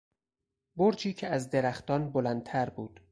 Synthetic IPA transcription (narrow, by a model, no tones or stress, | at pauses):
boɾd͡ʒʰiːcʰeæzd̪e̞ɾæxt̪ɒːnbolænd̪̚t̪ʰæɾbuːd̪̥